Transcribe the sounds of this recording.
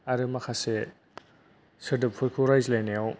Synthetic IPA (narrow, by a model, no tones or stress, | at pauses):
aɾɯmakʰase | sɯdɯp̚pʰukʰuɾajzlanejaw